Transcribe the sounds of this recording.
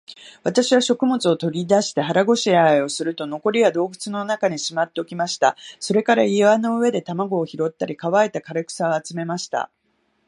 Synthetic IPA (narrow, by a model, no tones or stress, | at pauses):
βat̪aɕiβaɕo̞kɯ̟mo̞t͡sɨo̞t̪o̞ɾʲid̪aɕi̥t̪e̞ɦaɾaɡo̞ɕiaio̞sɨɾɯ̟t̪o̞no̞ko̞ɾʲiβad̪o̞ːɡɯ̟t͡sɨno̞nakaɲ̟iɕimat̪ːe̞okʲimaɕi̥t̪a̰so̞ɾe̞kaɾaiβano̞ɯ̟e̞d̪e̞t̪amaɡo̞ːçiɾo̞t̪ːaɾʲikaβae̞t̪akaɾɯkɯ̟̥sao̞at͡sɨme̞maɕi̥t̪a̰